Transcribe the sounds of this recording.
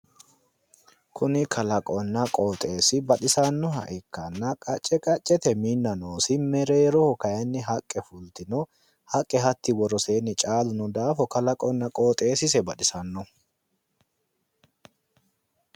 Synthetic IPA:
kʊnɪkʰɐlɐkʼɔnːɐkʼoːt̪ʼe̞ːsɪbɐɗɪsɐnːɔhɐʔɪkːɐnːɐkʼɐt͡ʃʼːɛkʼɐt͡ʃʼːɛt̪ɛmiːnːɐnoːsɪmɛɾeːɾɔhɔkɐjɐnːɪɦɐkʼːɛfʊlt̪ɪnɔ | hɐkʼːɛɦɐt̪ːɪwɔɾɔse̞ːnːɪt͡ʃʼaːlʊnʊd̪aːfɔkɐlɐkʼɔnːɐkʼo̞ːt̪ʼe̞ːsɪs̬ɛbɐᶑɪsɐnːɔ

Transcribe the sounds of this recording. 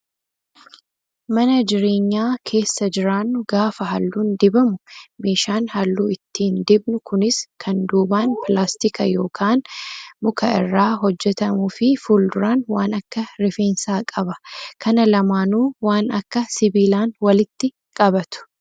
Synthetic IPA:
mɐnɐd͡ʒɪɾe̞ːɲːaːkʰe̞ːsːɐd͡ʒɪɾaːnːʊɡaːfɐɦɐlːuːnd̪ɪbɐmʊme̞ːʃaːnhɐlːuːɪt̪ːiːnd̪ɪbnʊkʊnɪskʰɐnd̪uːbaːnpɪlaːst̪ɪkʰɐjo̞ːkʰaːnmʊkʰɐɪrːaːɦɔd͡ʒːɛt̪ɐmuːfɪfuːld̪ʊɾaːnwaːnɐkːɐɾɪfe̞ːnsaːkʼɐbɐkʰɐnɐlɐmaːnuːwaːnɐkːɐsɪbiːlaːnwɐlɪt̪ːɪ | kʼɐbɐt̪ʊ̥

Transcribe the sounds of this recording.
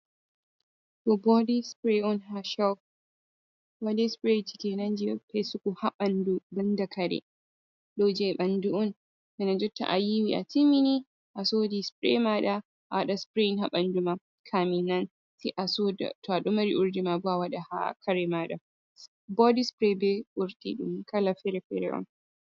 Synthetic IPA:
tɔbɔdispɾeɔnɦaʃaw | wadɛspɾetikɛnand͡ʒipʰajsukuhaɓandubandakʰaɾɛ̰ | ɗɔd͡ʒɛɓanduɔn | kɛnad͡ʒɔtːa̰ʔajiwiʔa̰timini | ʔasodispɾɛ̰maɗa | ʔawaɗaspɾenɦaɓanduma | kʰaminːan | tiʔasoda̰tʰɔaɗɔmaɾiʔuɾdimabɔawaɗaha̰kʰaɾɛmaɗa̰ | bɔdispɾɛbɛʔuɾtiɗṵmkalafɛɾɛfɛɾɛ̰ʔɔ̰n

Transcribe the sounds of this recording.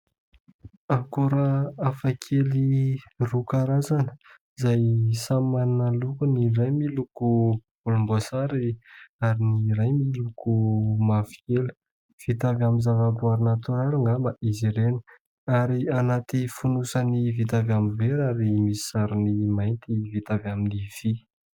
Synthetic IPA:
akuɾaafakʰelirukaɾazanə̥ | izajsamannalukunirajmilukub̥ulumbasaɾiaɾinirajmilukumafi̥elu̥ | v̥it̪avamizavabuaɾinat̪uɾaluŋamaʔiziɾen | aɾianat̪ifunusənivit̪avamiveɾaɾimisi̥saɾinimajnt̪ivit̪avaminiv̥i

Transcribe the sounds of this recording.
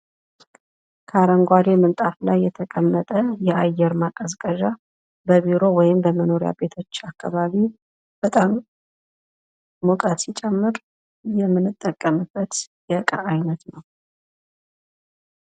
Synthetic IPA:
kʰaɾəŋɡʷwad̪e̞mənt̪ʼaflajːɛt̪ʰəkʼəmːət̪ʼəjɛajːɛɾmakʼəzkʼəʒa | bəβiɾo̞wɔjɪmbəməno̞ɾja̰be̞t̪ʰo̞t͡ʃːakʰːaβaβi | b̥ət̪ʼam | okʼət̪sit͡ʃʼɛmːɨɾ | jɛmːɨnɨt̪ʼːəkʼːəmɨbːət̪jɛkʼa̰ːjnət̪nəw

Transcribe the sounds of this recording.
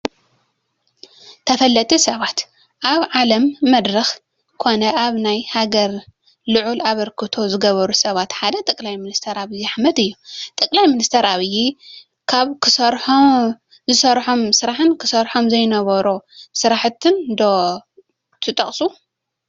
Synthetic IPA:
t̪ʰɐfɐlːɐt̪ʰʼisɐβat̪ | ʔaβʕalɐmːɐd̪ɾɐx | kʰo̞nɐʔaβnajhaɡɐɾ | lɨʕulaβɐɾkʰɨt̪ʰo̞zɨɡɐβɐɾusɐβat̪ħad̪ɐt̪ʼɐkʼlajmɨnist̪ʰɐɾaβɨjaħmɐd̪ɨjːut̪ʼɐkʼlajminist̪ʰɐɾaβɨjːi | kʰaβkʰɨsɐɾħo | zɨsɐɾħomsɨɾaħɨnkʰɨsɐɾħo̞mzɐjnɐβɐɾosɨɾaħt̪ʰːɨnd̪o | t̪ʰɨt̪ʼɐχʼsu

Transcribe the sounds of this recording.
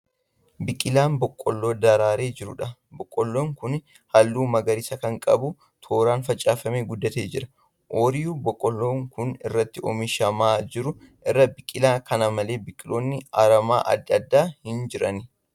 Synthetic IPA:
bɪkʼːɪlaːnbɔkʼːɔlːo̞ːd̪ɐɾaːɾeːd͡ʒɪɾʊ̰ᶑɐbɔkʼːɔlːoːŋkʊn | hɐlːuːmɐɡɐɾɪsɐkɐŋkʼɐbʊ | t̪ʰoːɾaːnfɐt͡ʃʼːaːfɐmeːɡʊd̪ːɐt̪eːd͡ʒɪɾɐ | ʔoːɾɪjuːbɔkʼːɔlːoːŋkʊnɪ̰rːɐt̪ːɪʔɔ̰mɪʃɐmaːd͡ʒɪɾʊ | ʔɪrːɐbɪkʼːɪlaːkɐnɐmɐle̞ːbɪkʼːɪlʔoːnːɪɐɾɐma̰ːʔɐ̰d̪ːɪɐd̪ːaːhɪnd͡ʒɪɾɐnɪ

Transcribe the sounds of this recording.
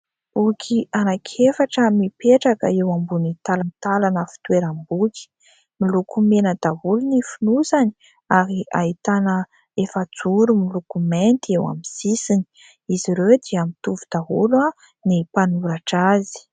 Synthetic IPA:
bukʲʰianakʰefaʈ͡ʂəmipeʈ͡ʂakə̰ewambunit̪alanit̪alanəfi̥t̪weɾambuki̥ | milukumenəd̪̥aɦulunifinusani̥ | aɾia̰it̪anə | efat͡suɾumilukument̪iewa̰mizisini̥ | iziɾewd̪iamit̪uvud̪̥aɦulwa | nipanuɾaʈ͡ʂazi̥

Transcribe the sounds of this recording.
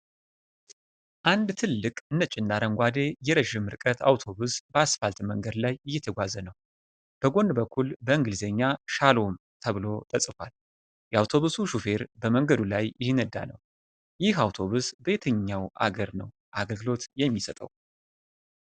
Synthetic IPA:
ʔand̪t̪ʰɨlːɨkʼɨnːət͡ʃʼɪnd̪aɾəŋɡʷad̪e̞jɛɾəʒɪmːɨɾkʼət̪a̰wt̪ʰo̞βusbəasfalt̪məŋɡəd̪lajɨjːɛt̪ʰəɡʷazənəw | b̥əɡo̞nd̪bəkʰːulbəɨŋɡɨlzeɲːaʃalom | t̪ʰəβɨlo̞t̪ʼəsʼɨfʷal | jɛawt̪ʰo̞βusuʃufe̞ɾbəməŋɡəd̪ulajjɪhnəd̪a̰nə̰w | jɪɦawt̪ʰo̞βusbe̞t̪ʰəɲːawʔa̰ɡəɾnə̰w | ʔaɡəlɡɨlo̞t̪jɛmːisət̪ʼəw

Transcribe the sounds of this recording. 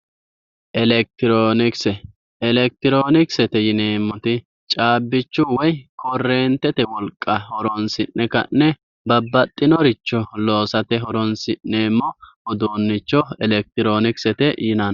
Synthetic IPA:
ʔɛlɛk̚t̪ɪɾoːnɪksɛ | ɛlɛk̚t̪ɪɾoːnɪksɛt̪ɛjɪneːmːɔt̪ɪ | t͡ʃʼaːbːɪt͡ʃːʊwɔjkʰɔrːeːnt̪ɛt̪ɛwɔlkʼːɐhɔɾɔnsɪnːɛkɐ̰nːɛ | bɐbːɐt̪ʼːɪnɔɾɪt͡ʃːɔloːsɐt̪ɛɦɔɾɔnsɪnːeːmːɔʔɔd̪oːnːɪt͡ʃːɔɛlɛk̚t̪ɪɾoːnɪksɛt̪ɛjɪnɐn

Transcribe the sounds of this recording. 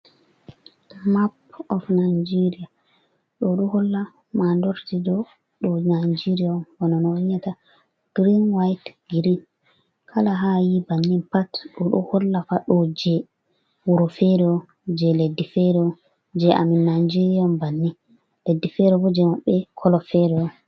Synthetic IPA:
mapɔfnajd͡ʒeɾija | ɗɔɗuhɔlːa | mandɔɾtidɔ | ɗɔnajd͡ʒiɾijanwɔnanɔɲata | ɡ̥ɾinwajtɡiɾin | kʰalaɦajibanːinpatɗɔɗṵhɔlːafaɗɔd͡ʒɛ | wuɾɔfɛɾɛɔ | d͡ʒɛledːifɛɾɔ | d͡ʒɛʔa̰minːand͡ʒiɾiɔmbanːin | ledːifɛɾɛbɔd͡ʒɛmaɓːɛkʰɔlɔfɛɾɛɔ

